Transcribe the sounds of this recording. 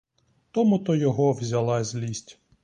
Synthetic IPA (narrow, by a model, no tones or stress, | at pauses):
t̪ɔmʊt̪ɔjɔɦɔwzʲɐlˠɑzʲlʲisʲtʲ